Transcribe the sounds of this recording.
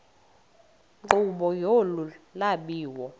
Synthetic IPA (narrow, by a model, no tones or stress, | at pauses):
ŋ͡ǃuɓɔjolulaɓiːwɔ